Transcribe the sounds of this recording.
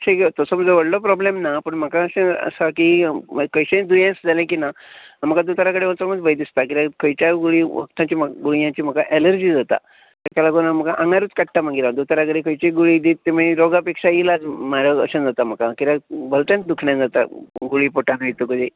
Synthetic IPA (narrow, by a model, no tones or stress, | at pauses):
t͡ɕʰekt̪əsəməd͡zəʋəɽlɔpɾɔblemnapəɳm̤əkaəɕẽə̰sakiməkəjɕẽd̪ujãsd͡zalẽkinam̤əkad̪ut̪ɾakəɽeʋə̃t͡səməd̪bəjd̪ist̪ak̬iɾakʰəjt͡ɕaɡuɭiʋə̰kt̪ãt͡ɕiːmɡuɭijãt͡ɕiːm̤əkaʔɛləɾd͡ʑiːd͡zat̪a̰ | t̪akalaɡonam̤əkaʔãŋaɾuːt͡skaʈːam̤aɡiɾãd̪ut̪ɾakəɽekʰəjt͡ɕeɡuɭid̪iːt̪ːem̤əiɾɔɡapekʂailalmaɾaə̰ɕə̃d͡zat̪am̤əkakiɾabəlt̪ãnt̪̚d̪ukʰɳjãd͡zat̪a̰ɡuɭipoʈanəjt̪okəd̪i